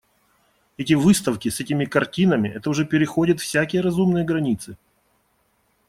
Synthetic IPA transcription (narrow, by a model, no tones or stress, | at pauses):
ɛtʲɪvɨst̪əfkʲɪsɛtʲɪmʲɪkɐrtʲinəmʲɪʔɛt̪əʊʐɛpʲɪɾʲɪxodʲɪt̪fsʲækʲɪjəɾɐzumnɨjəɡɾɐnʲit̪sɨ